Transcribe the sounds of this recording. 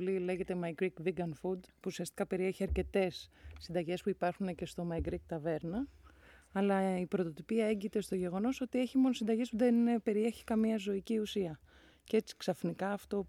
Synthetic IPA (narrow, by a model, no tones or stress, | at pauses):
lile̞ʝe̞t̪e̞mɐjɡɾikviɡɐnfud̪puːsiɐst̪i̥kɐpe̞ɾie̞çiɐɾce̞t̪e̞sːind̪ɐʝe̞spuipɐɾxune̞ce̞st̪o̞mɐjɡɾik̚t̪ɐve̞ɾnɐː | lɐipɾo̞t̪o̞t̪ipiɐe̞ɲɟit̪e̞st̪o̞ʝe̞ɣo̞no̞so̞t̪ie̞çimo̞nosind̪ɐʝe̞spuðenepe̞ɾie̞çi̥kɐmiɐzo̞iciusiɐ | ce̞t͡si̥ksɐfnikɐːft̪o̞